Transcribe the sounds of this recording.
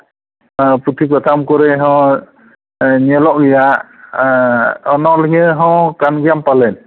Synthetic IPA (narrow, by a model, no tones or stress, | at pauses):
put̪ʰikɔt̪ʰamkɔɾɛɦɔ̃ | ɲɛlɔʔɡijaʔ | ɔnɔlɡɛɦɔ̃kanɡjampalɛn